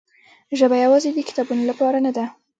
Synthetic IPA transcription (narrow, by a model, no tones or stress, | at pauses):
ʒəbajawɑzed̪əkɪ̥t̪ɑbunolapɑɾanad̪a